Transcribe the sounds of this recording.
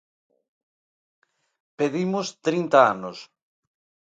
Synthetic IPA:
peðimʊst̪ɾint̪aanʊs

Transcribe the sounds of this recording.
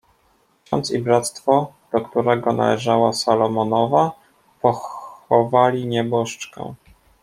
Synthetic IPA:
ɕɔ̰nt̪sibɾat̪st̪fɔd̪̥ɔkt̪uɾɛɡɔna̰lɛʐawasalɔmɔnɔva | pɔxɔvalʲiɲɛbɔʂt͡ʂkɛ̰

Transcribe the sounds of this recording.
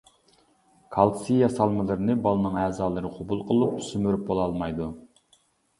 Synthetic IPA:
kʰɑlˠsijɑsɑlˠmɨlˠɨɾɨnɨbɑlˠɨnɨŋɛːzɑːlˠɨɾɨqʰobulˠqʰəlˠup̚ʰsymyɾyp̚bolˠɑlˠmɑjd̪u

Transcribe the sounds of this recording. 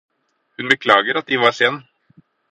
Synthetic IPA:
hʉnbəkʰlɑːɡəɾɑt̪̚d̪ɪʋɑseːn

